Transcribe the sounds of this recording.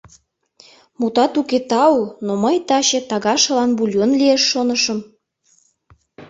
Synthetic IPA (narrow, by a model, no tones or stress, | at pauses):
mut̪ɑt̪uket̪ɑnoməjt̪ɑɕet̪ɑɣɑʃɤ̆lɑnbulʲjonlieʃːonəʃə̆m